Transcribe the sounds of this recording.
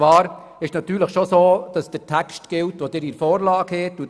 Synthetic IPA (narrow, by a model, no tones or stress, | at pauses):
ʋɑːɾ | ɪʃnɑt̪ːyːɾləχʃosoːd̥ɑsd̥ətʰækstɡ̥ɪltʋod̥ɪːɾiɾfoːɾlɑːɡ̥hɛtːu